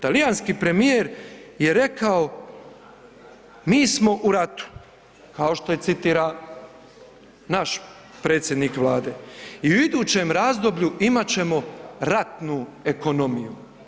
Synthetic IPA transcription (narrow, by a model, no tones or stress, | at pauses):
t̪alijanskiːpɾe̞mijeːɾje̞ɾe̞kao̞ | miːsmo̞ʔuɾat̪u̥ | kao̞ʃt̪o̞je̞t̪sit̪iːɾa | naʃ | pɾe̞ːt̪sjed̪nikʋlˠaːd̪e̞ːiuid̪uːt͡ɕe̞ːmɾaːzd̪o̞bʎuimat͡ɕe̞mo̞ɾat̪nue̞ko̞no̞miju